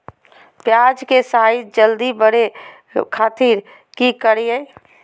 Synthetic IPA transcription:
pjad͡ʒkesaid͡ʒəld̪ibəɽe | kʰat̪iːɾ | kikəɾjəj

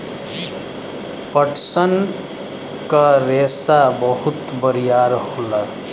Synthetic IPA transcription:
pəʈʰsən | kaɾesabəɦut̪bəɾijaɾɦola

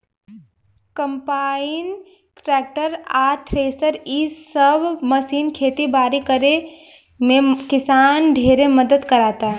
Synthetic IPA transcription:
kə̃mpaːin | ʈɾɛːk̚ʈəɾaːt̪ʰɾeːsəɾiːsəbʱməsiːnkʰeːt̪ibaːɾikəɾe | mẽkɪsaːnɖʱeːɾeməd̪əd̪kɐɾaːt̪a

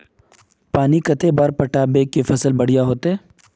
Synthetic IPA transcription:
paːnikɐt̪ebaːɾpɐʈaːbekefɐsəlbɐɽ̤ijaɦoːt̪eɦː

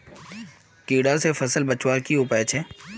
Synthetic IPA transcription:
kiːɽasefɐsəlbɐt͡ʃwakiʊpaet͡ʃʰeː

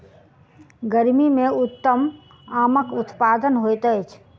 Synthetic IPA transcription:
ɡəɾmimẽʊt̪ːəm | aːməkʊt̪pad̪ənɦojt̪əjt͡ʃʰ

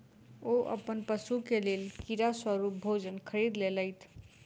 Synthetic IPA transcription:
oʔə̰pənpəsukelelkiɾaswəɾup̚bʱod͡ʒənkʰəɾid̪leləjt̪ʰ

